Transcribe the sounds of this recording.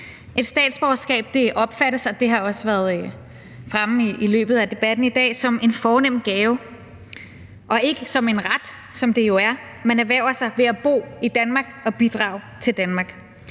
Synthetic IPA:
ʔe̝d̥sd̥ɛ̰ːd̥sb̥ɒʊsɡ̥ɛ̰ːb̥̚d̥e̝ʔɒ̽b̥fæɾ̥əsɒ̽d̥e̝ɦɑ̈ɒ̽səʋæːɐð̞ˠ | fʁamiilø̰ːb̥ð̩ˠæd̥e̝b̥æd̥n̩id̥ɛ̰ːsɒ̽me̝nfɒːnem̰n̩ɡ̥ɛːʊ | ʔɒ̽e̝ɡ̥əsɒ̽me̝nʁad̥ | sɒ̽md̥e̝jo̝æɐ | menæɐʋæʊ̰ɐsɑ̈ɪʋe̝æb̥o̝̰ːid̥ænmɑ̈ɡ̥ɒ̽b̥id̥ʁɑ̰̈ːʊ | t͡sʰe̝ld̥ænmɑ̈ːɡ̥

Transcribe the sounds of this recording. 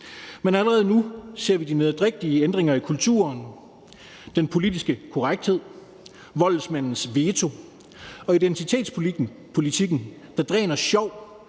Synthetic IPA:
menæləʁɛːð̞̩ˠnuse̝ɐ̰ʋid̥ine̝ðˠd̥ʁeɡ̥̚d̥iəend̥ʁeŋɐikʰult͡sʰṵːɐn | d̥enpʰo̝lid̥isɡ̥əkʰɔʁaɡ̥̚d̥he̝ð̰ˠ | ʋɒ̽lsmæn̰n̩sʋe̝ːt͡sʰo̝ | ɒ̽id̥ent͡sʰit͡sʰe̝̰ːd̥spʰ | pʰo̝lit͡sʰiɡ̥n̩d̥ɑ̈d̥ʁɛ̰ːnɐɕɒʊ̰

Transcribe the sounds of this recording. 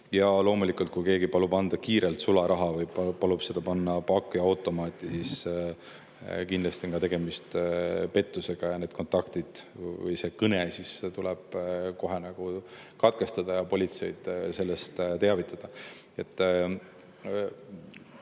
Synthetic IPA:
jɑlo̞ːmulikult̪̚kujke̞ːɡipɑlubɑnd̪̥ɑkiːɾelt̪sulɑɾʔɑɦɑvɤjpɑlub̥se̞d̪ɑpɑnːɑpɑkːˑiɑwt̪ːˑo̞mɑːt̪ːˑisis | kind̪lɑst̪ioŋkɑt̪e̞ɡ̥e̞mist̪pe̞t̪ːuse̞ɡ̥ɑjɑne̞ːd̪̥̚ko̞nt̪ˑɑkt̪id̪̥vɤ̰jse̞kɤne̞siset̪ulɛb̥̚ko̞ɦe̞nɑɡ̥ukɑt̪ke̞st̪ɑd̪̥ɑjɑpo̞lʲit̪se̞̰jd̪̥se̞lːe̞st̪t̪e̞ɑvit̪ːˑɑd̪̥ɑ | e̞t̪ːˑ

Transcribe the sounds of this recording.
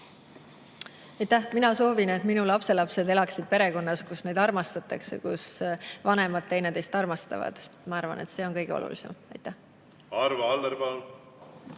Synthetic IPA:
ɑjt̪ːˑæhminɑso̞ːvine̞t̪minulɑpse̞lɑpse̞d̪e̞lɑksid̪̚pe̞ɾe̞ko̞nːɑskusne̞jd̪ɑrmɑst̪ɑt̪ːˑɑksḛkusvɑne̞mɑd̪̚t̪ːe̞jned̪e̞st̪ɑrmɑst̪ɑ̰vɑ̰d̪̥mɑɑrvɑ̰ne̞̰t̪se̞ːo̞nkɤjɡeo̰lṵlisḛmɑjt̪ːˑæh | ɑɾvɑld̪eɾvɑl

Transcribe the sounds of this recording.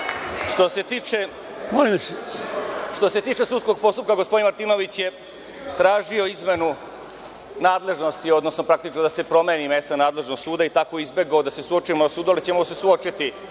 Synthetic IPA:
ʂt̪o̞se̞t̪iːt͡ʃe | molimse | ʂt̪o̞se̞t̪iːt͡ʃe̞sut̪sko̞ɡ̚po̞st̪up̚kaɡospod̪inmaɾt̪iːno̞ʋit͡ɕje̞ | t̪ɾaːʒio̞izme̞nu | naːd̪le̞ʒno̞st̪io̞d̪nosnopɾakt̪it͡ʃnod̪ase̞pɾo̞me̞ːnime̞st̪anaːd̪leʒnoɡsuːd̪ait̪ako̞izbe̞ɡaod̪ase̞suot͡ʃimosuːd̪ualit͡ɕemose̞suot͡ʃit̪i

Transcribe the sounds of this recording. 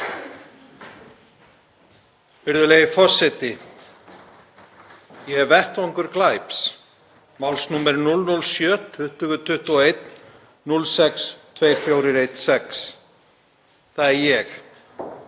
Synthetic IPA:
vɪɾðʏleːjɪfɔr̥sɛt̪ɪ | jɛɣɛɾvɛht̪vɔŋkʏɾklajps | mawlsnumɛɾnulnulsjœːtt̪ʰːʏht̪ʏɣʏt̪ʰʏht̪ɔɔejt̪ | nulsɛkst̪ʰvejɾ̥fjowɾɪɾejt̪sɛks | θaðɛɾjɛx

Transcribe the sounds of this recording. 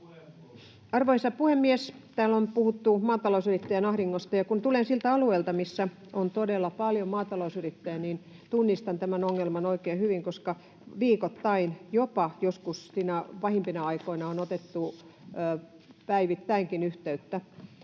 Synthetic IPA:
ɑrʋoisɑpuhemːiest̪æːlonpuhut̪ːumɑːt̪ɑlousyrit̪ːæjænɑhriŋːost̪ɑjɑkunt̪ulensilt̪æɑlueilt̪ɑmisːæ | ont̪odelːˑɑpɑljomɑːt̪ɑlousyrit̪ːæjæniːn | t̪unːist̪ɑnt̪æmænoŋːelmɑnoikeːhyʋiŋkoskɑ | ʋiːkot̪ːɑinjopɑjoskussiːnæʋɑhimpinɑɑikoinɑonot̪et̪ːuː | pæiʋit̪ːæiŋkinyht̪eyt̪ːæ

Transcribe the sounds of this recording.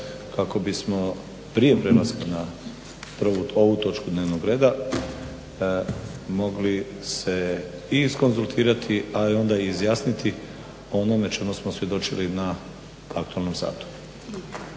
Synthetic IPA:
kako̞bismo̞ | pɾije̞pɾelaskina | pɾuoʋut̪o̞t͡ʃkud̪ne̞ːʋnoɡɾe̞ːd̪a | mo̞ɡli | se̞ | isko̞nzulˠt̪ʰiːɾat̪ʰiaio̞nd̪aiːzjaːsnit̪ʰi | onomet͡ʃe̞musmosʋjed̪o̞t͡ʃilina | akt̪uelno̞msa̰ːt̪u̥

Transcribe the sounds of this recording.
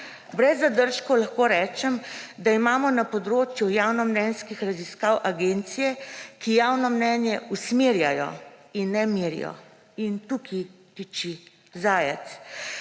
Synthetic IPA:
bɾɛzːad̪əɾʃkɔlaxkoːɾɛːt͡ʃɛmd̪aimaːmɔnapɔd̪ɾoːt͡ʃjujaːwnɔmnɛnskixɾaziskaːwʔaɡent̪sijɛkijaːwnɔmnɛːnjɛusmeːɾjajɔ̰inːɛmiːɾḭjɔ̰ | int̪ukʰi | t̪it͡ʃi | zaːjɛt̪s

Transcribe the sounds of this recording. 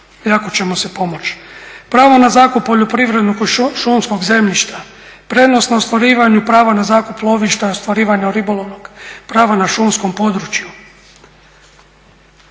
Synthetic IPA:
jakot͡ɕe̞mose̞po̞mo̞t͡ʃpɾaːʋonazaːkupːo̞ʎopɾiʋɾe̞d̪nokʃumsko̞ɡze̞mʎiʃt̪a | pɾe̞d̪no̞snaost̪ʋaɾiːʋaɲupɾaːʋanazaːkuplˠo̞ʋiʃt̪aost̪ʋaɾiːʋaɲaɾibolˠo̞ʋno̞ɡpɾaːʋanaʃumsko̞mpo̞d̪ɾut͡ʃju

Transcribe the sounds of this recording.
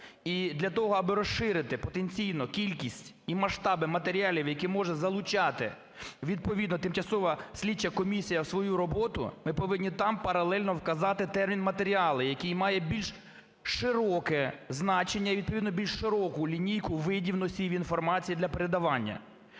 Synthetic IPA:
id̪lʲɐt̪ɔɦɔɐbɪɾɔsʃɪɾɪt̪ɪpɔt̪enʲt͡sʲijnɔkʲilʲkʲisʲtʲ | imɐʃt̪ɑbɪmɐt̪eɾʲiɑlʲiwjɐkɛmɔʒɛzɐlˠʊt͡ʃɑt̪ɪ̰ | ʋʲid̪̚pɔʋʲid̪nɔt̪ɪmt͡ʃɐsɔʋɐsʲlʲit͡ʃːɐkɔmʲisʲijɐwsʋɔjuɾɔbɔt̪ʊ̰mɪpɔʋɪnʲnʲit̪ɑmpɐɾɐlˠɛlʲnɔwkɐzɑt̪ɪt̪ɛrmʲinmɐt̪eɾʲiɑlˠɪjɐkijmɑjɛbʲilʲʃ | ʃɪɾɔkɛznɑt͡ʃenʲːɐiʋʲid̪̚pɔʋʲid̪nɔbʲilʲʃʃɪɾɔkʊlʲinʲijkʊʋɪdʲiwnɔsʲijʋʲinfɔrmɑt͡sʲijid̪lʲɐpeɾed̪ɐʋɑnʲːɐ̰

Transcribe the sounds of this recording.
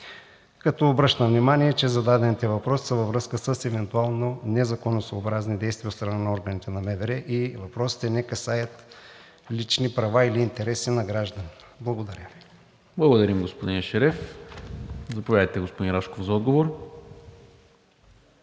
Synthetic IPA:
kɐt̪ɔːbɾɤʃt̪əvnimaniɛt͡ʃɛzɐd̪ad̪ɛnit̪ɛvɐpɾɔsi̥səvɐvɾɤskəsəsɛvɛnt̪ualˠnonɛzɐkonosooːbɾaznid̪ɛjst̪vijɐot̪st̪ɾɐnanɐɔɾɡənit̪ɛnɐmɛvɛɾɛʔivɐpɾɔsi̥t̪ɛnɛkɐsajət̪ | lit͡ʃnipɾɐvailiːnt̪ɛɾɛsinɐɡɾaʒd̪ɐni | blˠɐɡod̪ɐɾʲjəvi | blˠɐɡod̪ɐɾimɡospod̪inʃɛɾɛf | zɐpovʲad̪əjt̪ɛɡospod̪inɾaʃkofzɐɔd̪ɡovoɾ

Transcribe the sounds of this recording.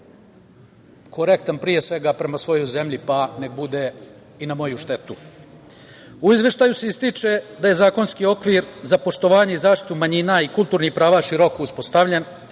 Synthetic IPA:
kʰo̞ɾek̚t̪anpɾije̞sʋe̞ɡapɾe̞masʋo̞jo̞jze̞mʎipane̞k̚bud̪e | inamo̞juʃt̪e̞t̪u | uizʋe̞ʃt̪aːjuse̞ist̪it͡ʂe̞d̪ajezaːko̞nskio̞kʋiɾzapo̞ʃt̪o̞ʋaːɲe̞izaːʃt̪i̥t̪umaɲinaikulˠt̪uːɾnixpɾaːʋaʃiɾo̞kouspo̞st̪aʋʎen

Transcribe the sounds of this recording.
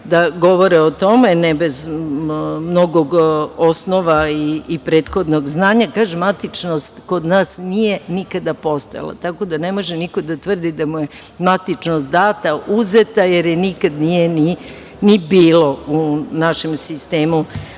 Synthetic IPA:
d̪aɡo̞ʋo̞ɾeot̪o̞menɛbez | mno̞ɡo̞ɡo̞snoʋaiːpɾe̞ːt̪xo̞d̪no̞ɡznaːɲakaːʒemat̪it͡ʃnost̪ko̞d̪naːsnije̞nikad̪apo̞st̪oja̰lˠa̰t̪ako̞d̪ane̞mo̞ʒeniko̞d̪at̪ʋr̩d̪id̪amuje̞ | mat̪it͡ʃnost̪d̪aːt̪aʔuzet̪ajeɾjenikad̪nijeni | nibiːlo̞unaʃe̞msist̪e̞ːmu

